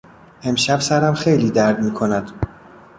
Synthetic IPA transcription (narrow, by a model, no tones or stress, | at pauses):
e̞mʃæbsæɾæmxe̞jliːd̪æɾd̪miːkʰonæd̪̥